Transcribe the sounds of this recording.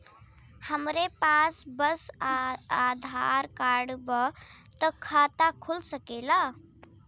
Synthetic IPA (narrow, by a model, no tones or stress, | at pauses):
həmɾepasbəsaad̪ʱaɾkaɽbət̪əkʰat̪akʰulsəkela